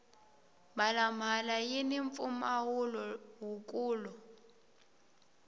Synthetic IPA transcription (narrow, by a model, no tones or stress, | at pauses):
malam̤alajiniɱfumawulɔwukʼuːlɔ